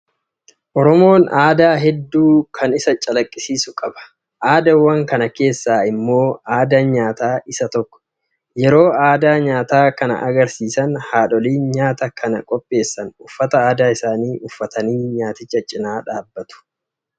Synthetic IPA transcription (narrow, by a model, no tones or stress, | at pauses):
ʔɔɾɔmo̞ːnaːd̪aːɦɛd̪ːuːkʰɐnɪsɐt͡ʃʼɐlɐkʼːɪsiːsʊkʼɐbɐ̥ | ʔaːd̪ɐwːɐŋkɐnɐke̞ːsːaːɪmːo̞ːaːd̪anɲaːt̪aːʔɪsɐt̪ɔkːɔ̥ | jɛɾo̞ːaːd̪aːɲaːt̪aːkɐnɐ̰ʔɐɡɐɾsiːsɐnhaːᶑɔliːnɲaːt̪ɐkʰɐnɐ̰kʼɔpʼːe̞ːsːɐnʊfːɐt̪ɐaːd̪aːɪsaːniːʔʊfːɐt̪ɐniːɲaːt̪ɪt͡ʃːɐt͡ʃʼɪnaːᶑaːbːɐt̪ʊ̥